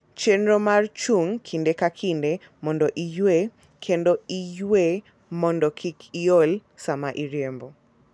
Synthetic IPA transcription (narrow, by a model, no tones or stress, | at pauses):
t͡ʃenɾomart͡ʃuŋkʰindekakʰinde | mɔndɔʔijwe | kʰendoijwe | mɔndɔkʰikʰiolsamaʔiɾjembɔ